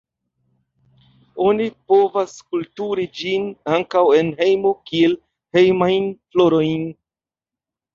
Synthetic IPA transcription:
o̞nipo̞vaskultuɾid͡ʒinaŋkawe̞nɦe̞jmo̞kie̞l | he̞jmajnflo̞ɾo̞jn

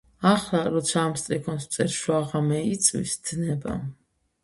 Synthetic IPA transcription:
aχlaɾɔt̪sʰaːmst̪ʼɾikʰɔnssʼɛɾʃwaʁamɛit̪sʼwḭsd̪̥nɛba̰

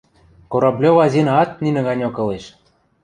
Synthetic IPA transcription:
koɾɑblʲoβɑzʲinɑɑt̪̚ninɘ̆ɣɑnʲokɤ̆leʃ

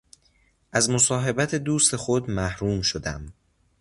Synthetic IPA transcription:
ʔæzmo̞sɒːɦe̞bæt̪ʰed̪uːst̪e̞xod̪mæhɾuːmʃod̪æ̰m

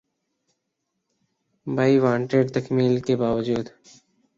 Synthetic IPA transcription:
baːiʋãːɳʈeːɖt̪ɐkmiːlkebaːʋəd͡ʒuːd̪

